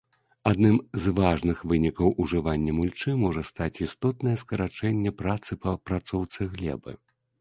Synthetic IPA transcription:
ad̪nɨmzvaʐnɨxvɨnʲikɐwʔuʐɨvanʲːɐmulʲt͡ʂɨmɔʐɐst̪at͡sʲist̪ɔt̪̚nɐjɛskɐɾat͡ʂɛnʲːɛpɾat̪sɨpɐpɾat̪sɔwt̪sɨɣlʲɛ̰bɨ̰

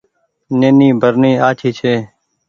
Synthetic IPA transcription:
neːniːbʱəɾniːaːt͡ʃʰiːt͡ʃʰeː

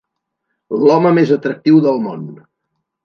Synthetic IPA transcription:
lɔməmezət̪ɾək̚t̪iwðəlˠmon

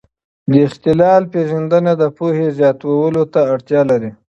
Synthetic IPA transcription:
d̪əɪxt̪ɪlɑlpeʒand̪ənad̪əpohezjɑt̪awawəlot̪aːɽt̪jɑlaɾi

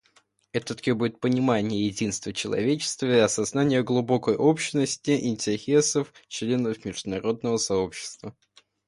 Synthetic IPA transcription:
ɛt̪ət̪kʲebudʲɪt̪̚pənʲɪmanʲɪjəjɪdʲinst̪vət͡ɕɪlˠɐ̰vʲet͡ɕɪ̥st̪vəɪɐsɐznanʲɪjəɡlˠʊbo̞kəjʔo̞pɕɪnəsʲtʲɪʔɪnʲtʲɪxʲesəft͡ɕlʲe̞nəfmʲɪʐd̪ʊnɐɾo̞d̪̚nəvəsɐo̞pɕːɪ̥st̪və

